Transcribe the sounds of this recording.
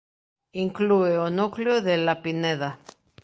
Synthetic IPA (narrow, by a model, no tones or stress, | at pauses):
iŋklueonokljoðelapineða